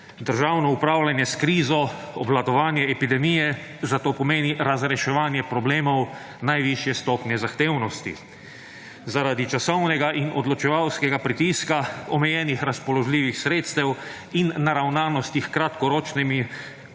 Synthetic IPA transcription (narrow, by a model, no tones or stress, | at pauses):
d̪əɾʒawnɔupɾaːwlʲanjɛskɾiːzɔ | ɔblad̪ɔʋaːnjɛɛpid̪ɛmiːjɛzat̪oːpɔmeːniɾazɾɛʃɛʋaːnjɛpɾɔbleːmɔw | najʋiʃjɛst̪ɔːpnjɛzaxt̪eːwnɔst̪ḭ | zaɾaːd̪it͡ʃasɔwnɛɡaʔinʔɔd̪lɔt͡ʃɛʋawskɛɡapɾit̪iːskaɔmɛjɛːnixɾaspɔlɔʒliːʋixsɾeːt̪st̪ɛw | inːaɾawnaːnɔst̪ixkɾat̪kɔɾɔːt͡ʃnimi